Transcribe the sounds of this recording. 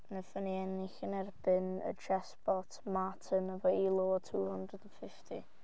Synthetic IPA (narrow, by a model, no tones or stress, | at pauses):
nəfəniɛnɪxənɛrbɨnə̰d͡ʒɛsbɔtʰmatʰənəvɔilˠoːtʰuːhʊndrədənfɪftʰi